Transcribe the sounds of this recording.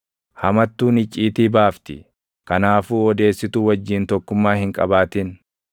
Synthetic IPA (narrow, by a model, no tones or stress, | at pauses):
hɐmɐt̪ːuːnɪt͡ʃʼːiːt̪iːbaːft̪ɪ̰ | kɐnaːfuːɔd̪e̞ːsːɪt̪uːwɐd͡ʒːiːnt̪ɔkːʊmːaːhɪŋkʼɐbaːt̪ɪn